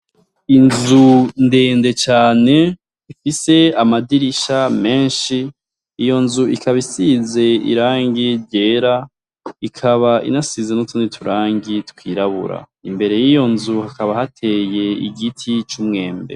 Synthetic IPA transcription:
inzunde̞ːnde̞t͡ʃaːne̞ | ifise̞amadiɾiʃame̞ːnʃiː | jo̞nzuikaβisize̞ḭɾaːŋɡiɾɟe̞ːɾa | ikʰaβaḭnasizenutʰunitʰuɾaːŋɡitkwiːɾaβṵɾa̰ | imbe̞ɾe̞jijo̞nzuhakaβahatʰe̞ːje̞ḭɡitʰit͡ʃumŋe̞ːmbḛ

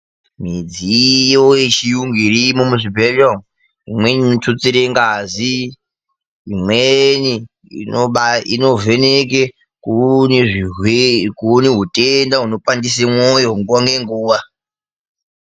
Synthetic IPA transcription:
mid͡zijojet͡ʃijuŋɡirimomuʐibʱelom | imweninotʰut͡siɾeŋɡazi | mweni | ḭnoɓaino̞ve̞nek̬e | kuneʐiwekuneɦutʼendaɦuno̞pʼandis̬emwojoŋɡuwaŋɡeŋɡuːwa

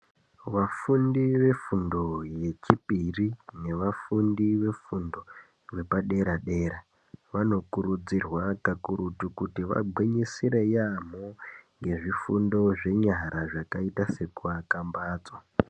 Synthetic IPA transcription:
ʋafundiʋe̞fundo̞je̞t͡ʃipirine̞ʋafundiʋe̞fundo̞ | ʋe̞paɗe̞ɾaɗe̞ːɾa | ʋano̞kuɾud͡zirwakakuɾutukutiʋa̰bʱwiɲisiɾe̞jamoŋɡe̞ʐifundo̞ʐe̞ɲaɾaʐakaitase̞kuakambaːt͡swa

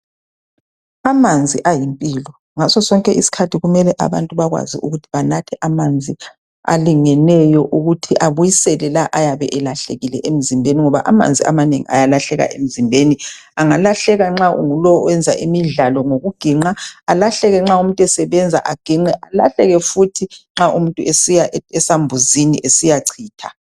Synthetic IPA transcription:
amand͡zʱiʔajimpʼiːlɔ | ŋasɔsɔŋkʼɛʔisi̥kʰatʰiɣumɛlɛʔa̰βa̰ntʼuβaɣwa̰zḭʔuɣutʰiβanatʰɛʔamand͡zʱi | a̰liŋɛnɛjɔʔuɣutʰiʔaβujisɛlɛlaʔajaβɛ̰ʔɛlaɬḛɣilɛ̰ʔem̩zimbʱeniŋɔβaʔama̰nd͡zʱiʔa̰manḛŋḭʔa̰jalaɬɛɣa̰ʔḛm̩zimbʱeni | aŋalaɬɛɣaŋ͡ǁaʔṵŋulɔwɛnd͡zʱaʔimiɮalɔŋoɣuɡ̥ʱiŋ͡ǃaalaɬɛɣɛŋ͡ǁaumuntʼwɛsɛβɛnd͡zʱaʔaɡ̥ʱiŋ͡ǃɛʔala̰ɬɛɣɛfutʰiŋ͡ǁaʔumuntʼuesijaɛsambʱuzinḭʔesijaǀʰiːtʰa

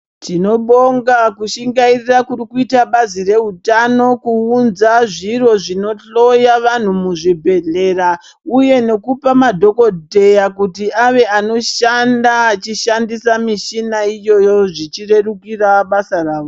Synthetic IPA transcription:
tino̞ɓo̞ŋɡakuʃiŋɡairirakuɾikuitaɓazire̞utano̞kuːnzaʐiro̞ʐino̞ɬo̞jaʋan̤umuʐibʱe̞ɮe̞ra | uje̞ne̞kupamadʱo̞ko̞dʱe̞jakutiʔaʋe̞ʔano̞ʃandaːt͡ʃiʃandisamiʃinaijo̞jo̞ʐit͡ʃire̞rukiraɓasaraːʋo

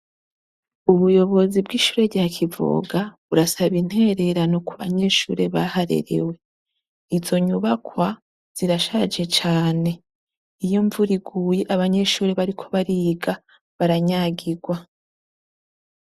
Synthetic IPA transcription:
uβujo̞βo̞zibɡiːʃu̥ːɾe̞ɟaːkʰivo̰ɡaβuɾasaβin̥he̞ɾe̞ɾano̞kuβa̰ɲe̞ʃṵːɾe̞βahaɾe̞̰ɾḛwe̞ | izo̞ɲuβakwa | z̥iɾaʃaːd͡ʒe̞t͡ʃaːne̞ | ijo̞ɱvuɾiɡuːje̞ʔaβaɲe̞ʃuːɾe̞βaɾikʰo̞βaɾiɡa | βaɾaɲaːɡiɡwa

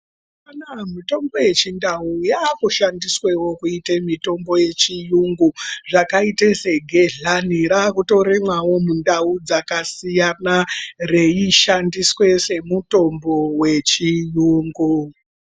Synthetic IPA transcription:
panamito̞mbo̞je̞t͡ʃindaujakuʃandiswewo̞kuitemito̞mbo̞je̞t͡ʃijuŋɡuʐakaitese̞ɡʱeɮaniɾakuto̞ɾemwawo̞mundaud͡zakasijanareiʃandiswe̞se̞muto̞mbo̞wet͡ʃijuːŋɡu

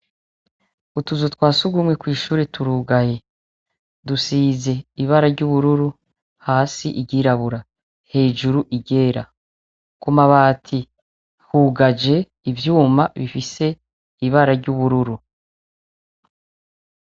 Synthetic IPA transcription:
utuzotwaːsuɡumŋe̞kwiːʃuːɾe̞tuɾuːɡaje | dusize̞iβaɾaɾɟuβuɾuɾu | haːsiʔiɟiɾaβuɾa | he̞ːʒuɾuʔiɟe̞ːɾa̰ | kumaβaːtʰi | huɡad͡ʒe̞ | ivjuːmaβifise̞ | iβaɾaɾɟuβuɾuɾu

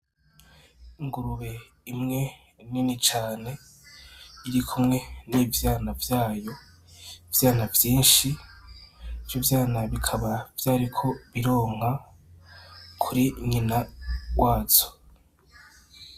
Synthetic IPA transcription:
iŋɡuɾuβe̞ | imŋe̞ | ninit͡ʃaːne̞ | iɾikʰumŋe̞niːvjaːnavjaːjo̞ | ivjaːnavjiːnʃi | vjuvjaːnaβikʰaβavjaːɾikʰo̞βiɾo̞ːŋ̥a | kʰuɾiɲinawaːt͡so̥

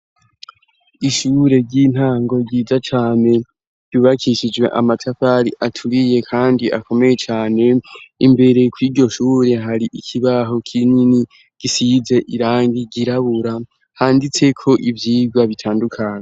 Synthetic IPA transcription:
iʃuːɾe̞ɾɟiːn̥haːŋɡo̞ɟiːzat͡ʃaːne̞ | ɾɟuːβakʰiʃid͡ʒwe̞̰ʔa̰matʰafaɾiʔatʰuɾije̞kʰaːndiʔakʰo̞me̞je̞t͡ʃaːne̞imbe̞ɾe̞kwiːɾɟo̞ʃuːɾe̞ɦaɾiʔikʰiβaɦo̞kʰinini | ɡ̥isize̞ʔiɾaːŋɡiɡiɾaβuɾa | haːndit͡se̞kʰo̞ʔivjiːɡwaβitʰaːndukʰaɲe

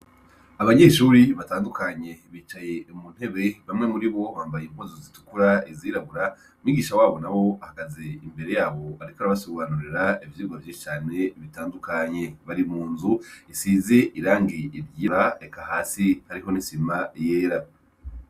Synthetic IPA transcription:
aβaɲe̞ːʃuːɾiβataːndukaɲe̞βiːt͡ʃaje̞umun̥he̞βe̞βamŋe̞muɾiβo̞βaːmbajemkozozitu̥kuɾaeziːɾaβuɾa | miːɡiːʃawaːβo̞naβo̞ahakazeimbe̞ɾe̞jaːβo̞aɾikaɾaβasoβanuɾiɾaivjiːɡwavjiʃi̥t͡ʃaːne̞βitaːndukaɲe̞βaɾimuːnzuisiːze̞ʔiɾaːŋɡiːɾjiɾaekahaːsihaɾiho̞nisimaje̞ːɾa

